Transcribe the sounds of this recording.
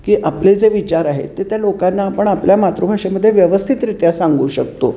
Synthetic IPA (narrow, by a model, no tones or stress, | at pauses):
kiːʔapled͡zeʋit͡ɕaɾaɦḛt̪ːet̪jalokanːaːpəɳapljamat̪ɾubʱaʂeməd̪ʱːjeʋjəʋəst̪ʰit̪ɾit̪jasãŋɡuːɕəkt̪o̰